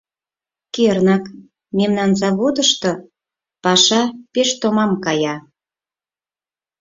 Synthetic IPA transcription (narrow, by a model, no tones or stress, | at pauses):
kernɑk | memnɑnzɑβod̪əʃt̪o | pɑʃɑpeʃt̪omɑmkɑjɑ